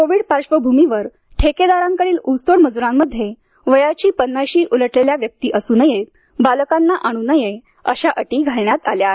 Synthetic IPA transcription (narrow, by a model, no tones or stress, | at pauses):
koʋiːɽpaɾɕʋəbʱumiʋəɾ | ʈʰeked̪aɾãŋkəɽiːlust̪oɽməd͡zuɾãmːəd̪ʱːje | ʋəjat͡ɕiːpənːajɕiːʔuləʈleljaʋjək̚t̪iːʔəsuːnəje | baləkanːaʔaɽ̃uːnəje | əɕaʔəʈiːɡʱaɭɳjat̪alja